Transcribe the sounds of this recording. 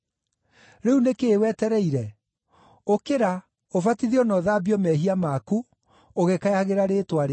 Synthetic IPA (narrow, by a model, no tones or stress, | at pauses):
ɾeunekeːwɛtɛɾɛiɾɛ | okeɾa | ofatiðiɔnɔðabiɔmɛɦiamaku | oɣekajaɣeɾaɾetwaɾe